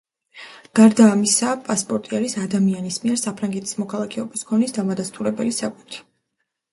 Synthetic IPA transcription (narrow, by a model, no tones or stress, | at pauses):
ɡ̥aɾd̪aːmisapʼaspʼɔɾt̪ʼiaɾisad̪amianismiɛɾsapʰɾaŋɡɛt̪ʰi̥smɔkʰalˠakʰɛɔbiskʰɔnisd̪amad̪ast̪ʼuɾɛbɛlisakʼut̪ʰɾi̥